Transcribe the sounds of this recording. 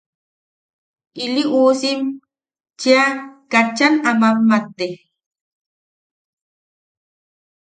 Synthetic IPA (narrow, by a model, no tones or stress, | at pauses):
ʔiliʔuːsim | t͡ʃiakat͡ʃːanamamːat̪ːe